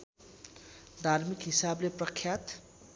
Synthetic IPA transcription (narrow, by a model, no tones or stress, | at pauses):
d̪ʱarmikɦisableprʌkʰːjat̪